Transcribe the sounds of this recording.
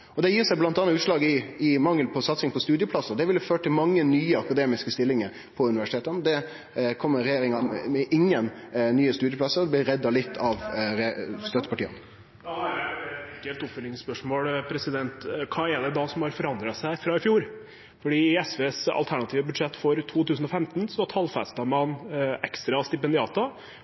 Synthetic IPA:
ɔd̪ɛjiːʁsæɪblɑnt̪ɑnɑʉːt̪ʂlɑːɡɪɪmɑŋːəlpʰɔsɑt̪sɪŋpʰɔst̪ʉːd̪jəpʰlɑsəʁd̪ɛʋɪlːɪføːʈʈʰɪlmɑŋːənyːəɑkɑd̪eːmɪskəst̪ɪlːɪŋəɾ | pʰɔʉnɪʋæʂɪ̥t̪eːt̪ənd̪ɛ | kʰɔmːəɾɛjeːɾɪŋɑmɛʔɪŋːənnyːəst̪ʉːd̪jəpʰlɑsəɾd̪ɛblɪɾɾɛd̪ːɑlɪt̪ʰːɑʋɾɛst̪œt̪ːəpɑʈiːə̰n | kːɛlt̪ʊpfʏlɪŋspœʂmoːlpʰɾɛsɪd̪ɛnt̪kʰɑːɛɖɛd̪ɑsɔmhɑɾfɔɾɑnd̪ɾɑsæɪfɾɑːɪfjuːɾ | fɔɖiːɛsʋeːsɑ̰lt̪ʰæɳɑt̪ʰiːʋəbʉd̪ʂɛt̪ːfɔɾt̪ʰuːt̪ʰʉːsn̩ɔfɛmt̪nsɔɔt̪ʰɑːlfæ̰st̪ɑmɑnɛkst̪ɾɑst̪ɪpɛnd̪ɪɑːt̪ʊ

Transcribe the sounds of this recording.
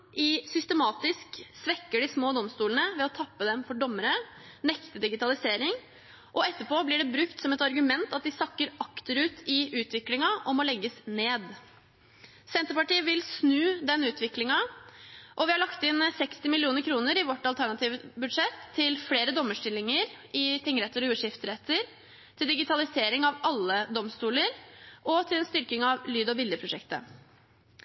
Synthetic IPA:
ʔɪsʏst̪əmɑːt̪ɪsksʋɛkːəɖɪsmoːd̪ɔmst̪uːlənəʋɛɔt̪ʰɑpːəd̪ɛmfɔɖɔmːəɾə | nɛkt̪əd̪ɪɡɪt̪ɑlɪseːɾɪŋ | ʔɔɛt̪ːəpʰoːblɪɖɛbɾʉkt̪sɔmɛt̪ɑɾɡʉmɛnt̪ɑt̪̚d̪ɪsɑkːəɾɑkt̪əɾʉːt̪ʰɪʔʉːt̪ʋɪklɪŋɑɔmɔlɛɡːəsneːd̪ | sɛnt̪əɾpɑʈiːəʋɪlsnʉːd̪ɛnʉːt̪ʰʋɪklɪŋɑ | ʔɔʋɪhɑɭɑkt̪ɪnsɛkst̪ɪmɪlɪuːnəɾkʰɾuːnəɾɪʋɔʈːɑlt̪ʰæɳɑt̪ʰiːʋəbʉd̪ʂɛt̪ʰːɪlfleːɾəd̪ɔmːəʂʈɪlːɪŋəɾɪt̪ʰɪŋːɾɛt̪ːəɾɔʉːʂɪft̪ɾɛt̪ːəɾ | t̪ʰɪld̪ɪɡɪt̪ʰɑlɪseːɾɪŋɑʋɑlːəd̪ɔmst̪uːləɾʔɔt̪ʰɪlɛnst̪ʏɾkɪŋɑʋlyːd̪ɔbɪljəpʰɾʊʂɛkt̪ə̰

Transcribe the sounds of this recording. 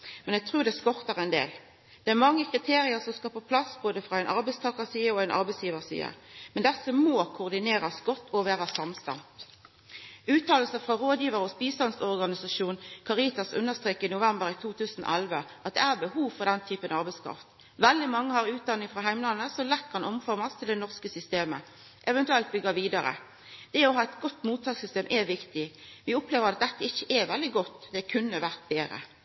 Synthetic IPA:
mɛnɛɡ̚t̪ʰʁuːɾd̪ɛskɔʁt̪ɑʁɛɪnd̪ḛːl | d̪̥ɛæɾmɑŋːəkʰʁɪt̪ʰeːɾɪəʁsɔmskɑpʰoːpʰlɑsboːd̪əfʁɑæɪnʔɑɾbɛɪst̪ʰɑːkəsiːəɔæɪnʔɑ̰ɾbɛɪsjiːʋəʁsḭːə̰mɛnd̪ɛsəmoːkʰʊʁd̪ɪneːʁɑsɡɔt̪ːɔʋæːʁəsɑmst̪ɑ̰nt̪ | ʉːt̪ʰːɑːll̩səfʁɑʁoːd̪jiːʋəʁəɔspiːsɑnsɔʁɡɑnɪsɑʃuːnkʰɑʁiːt̪ɑsʉ̰nəst̪ʁeːkːɪnʊʋɛmbəɾɪt̪ʰuːt̪ʰʉːsnɔ̰ʔælʋəʔɑt̪̚d̪ɛ̰æːʁbəhuːʋfɔʁd̪ɛnt̪ʰyːpənɑʁbɛɪskʰɑ̰ːft̪ | ʋɛld̪ɪmɑŋːəhɑʁʉːt̪̚d̪ɑnːɪŋfʁɑɦæɪmlɑnːəsɔlɛkːəhɑnʔɔmfɔʁmɑst̪ʰɪld̪ɛnɔʁskəsʏst̪eːmə̰ | ʔɛʋɛnt̪ʉɛlt̪̚bʏɡəʋiːd̪ɑʁə̰ | d̪̥ɛɔɑːɛɪt̪ɡɔt̪ːmuːt̪ʰːɑːɡsʏst̪eːmʔɛʋɪkt̪ɪʋɪʊpleːʋəʁɑt̪̚d̪ɛt̪ːəɪçːəʔɛʋɛld̪ɪɡɔt̪ːd̪ɛkʰʉnːəʋæʁt̪̚beːɾə̰

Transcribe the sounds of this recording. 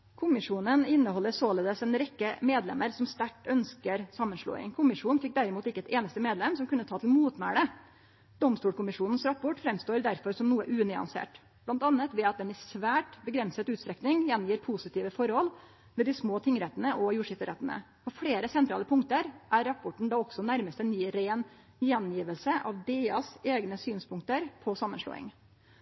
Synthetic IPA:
kʰʊmɪʂuːnənɪnːəhɔlːəɾsoːleːd̪əsɛnɾɛkːəmeːd̪lɛ̰məɾsɔmst̪æʈːœnskəɾsɑmːənʂɭo̰ːɪ̰ŋkʰʊmɪʂuːn̩fɪk̚d̪æɾɪmuːt̪ɪkːəɛt̪eːnəst̪əmeːd̪lɛmsɔmkʰʉnːət̪ʰɑːt̪ʰɪlmuːt̪mæːɽə | d̪̥ɔmst̪uːlkʰʊmɪʂuːnn̩sɾɑpʰɔʈːfɾɛmst̪oːɾd̪æɾfɔɾsɔmnuːəʔʉːnɪɑ̰nsḛːʈ | blɑnt̪ɑnːət̪ʋɛːɑt̪̚d̪ɛnɪsʋæːʈbəɡɾɛnsət̪ʉːt̪st̪ɾɛknɪŋjɛnjiːɾpʰusɪt̪ʰiːʋəfɔɾhɔlː | mɛd̪ɪsmoːt̪ʰɪŋːɾɛt̪ːənəʔɔjuːʂɪft̪əɾɛt̪ːənə̰ | pɔfɽeːɾəsɛnt̪ɾɑ̰ːləpʰʊŋkt̪əɾʔæɾːɑpʰːɔʈɳ̩d̪ɑːɔɡsɔnæɾməst̪ɛnyːɾeːn | jɛnjiːʋəlsəʔɑʋd̪eːɑseːɡnəsyːnspʰʊŋkt̪əɾpʰɔsɑmːənʂlo̰ːɪ̰ŋ

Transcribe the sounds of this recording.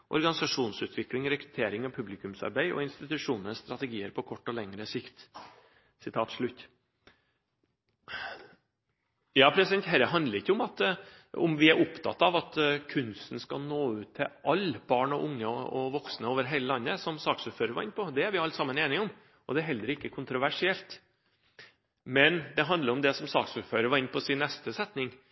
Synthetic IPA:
ʔɔ̰ɾɡɑnɪsɑʂuːnsʉːt̪ʰʋɪklɪŋɾɛkɾʉ̥t̪ʰeːɾɪŋɑʋpʰʉblɪkʉmsɑ̰ɾbæɪɔ̰ɪnst̪ɪt̪ʉʂuːnənst̪ɾɑt̪ɛɡiːəɾpʰɔkʰɔʈːɔlɛŋɾəsɪkt̪ | sɪt̪ʰɑːt̪ʂɭʉt̪ː | jɑːpʰɾɛsɪd̪ɛnt̪hɛɾəɦɑnd̪ləɾɪçːəʊmɑt̪ | ɔ̰mʋɪæɾʔʊpt̪ʰɑ̰t̪ːɑʋɑt̪kʰʉnsnskɑlnoːʉːt̪ʰːɪʔɑlːb̥ɑːɳɔʔʊŋːəɔʋɔksnəoːʋəɾɦeɪləlɑnːəsɔmsɑːksʉføːɾəɾʋɑ̰ɾɪnpʰɔd̪ɛæɾʋɪɑlt̪sɑmːəneːnɪŋɔm | ʔɔd̪ɛæɾɦɛld̪əɾəɪkːəkʰʊnt̪ɾʊʋæʂɪɛlt̪ | mɛnd̪ɛɦɑnd̪ləɾɔmd̪ɛsɔmsɑːksʉføːɾəɾʋɑːɾɪnpʰɔsɪnːɛst̪əsɛt̪nɪŋ

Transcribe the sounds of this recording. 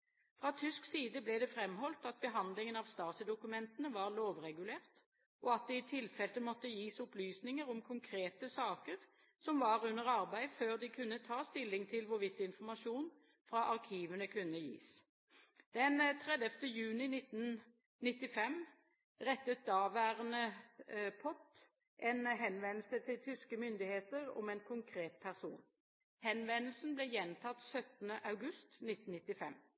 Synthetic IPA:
fʁɑt̪ʰʏsksiːd̪əblɛːd̪ɛfɾɛmhɔlt̪ɑt̪̚bəɦɑnd̪lɪŋənɑʋst̪ɑːsəd̪ʊkʉmɛnt̪ənəʋɑʁloːʋʁɛɡʉleːʁt̪ | ʔɔɑt̪̚d̪ɛɪt̪ʰɪlfɛlt̪əmɔt̪ːəjiːsʊplyːsnɪŋəʁʊmkʰʊŋkʰɾeːt̪əsɑːkəʁ | sɔmʋɑːʁʉnːəʁɑʁbæɪføːʁd̪ɪkʰʉnːət̪ʰɑːst̪ɪlːɪŋt̪ʰɪlʋʊɾʋɪt̪ːɪnfɔʁmɑʃuːn | fɾɑʔɑʁkʰiːʋənəkʰʉnːəjḭːs | d̪̥ɛnt̪ʰʁɛd̪əft̪əjʉːnɪnɪt̪ːn | nɪt̪ːɪfɛm | ʁɛt̪ːət̪̚d̪ɑːʋæːʁənə | pʰɔt̪ | ʔɛnɦɛnʋɛnl̩sət̪ʰɪlt̪ʰʏskəmʏnd̪ɪheːt̪əʁɔ̰mɛnkʰʊŋkʰʁeːt̪̚pʰæʁsṵːn | hɛnʋɛnl̩sn̩blɛjɛnt̪ʰɑt̪sœt̪nəʔɑʉɡʉst̪nɪt̪n̩nɪt̪ːɪfɛm

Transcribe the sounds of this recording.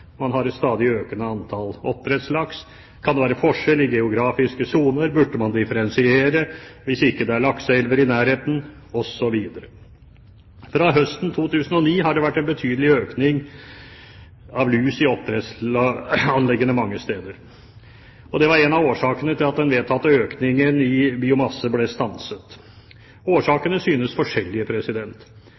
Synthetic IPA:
mɑnɦɑɾɛt̪st̪ɑːd̪ɪøːkənəɑnt̪ʰɑlɔt̪ːəɾɛt̪slɑks | kʰɑnd̪ɛʋæːɾəfɔʂɛlɪɡɛʊɡɾɑːfɪskəsuːnəɾbʉɖːəmɑnd̪ɪfəɾɛnsɪeːɾəʋɪsɪkːəd̪ɛæɭɑksɛlʋəɾɪnæːɾheːt̪n̩ | ɔsɔʋiːd̪əɾə | fɾɑɦœst̪n̩t̪ʰuːt̪ʰʉːsən̩ɔniːɦɑɖɛʋæʈːɛnbət̪ʰyːd̪əlɪøːknɪŋ | ɑʋlʉːsɪɔpːɾɛs | ɑnlɛɡːənəmɑŋːəst̪eːd̪əɾ | ɔd̪ɛʋɑɾɛnɑʋoːʂɑːkənət̪ʰɪlɑt̪̚d̪ɛnʋeːt̪ʰɑt̪ːəøːknɪŋənɪbɪʊmɑsːəblɛst̪ɑnsət̪ | oːʂɑːkənəsyːnəsfɔʂɛlːɪəpʰɾɛsɪd̪ɛnt̪

